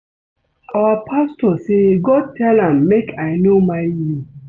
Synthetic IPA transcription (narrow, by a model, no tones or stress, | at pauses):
ʔawapʰastɔseɡɔd̚tʰɛlãmːekʰajnomaɪji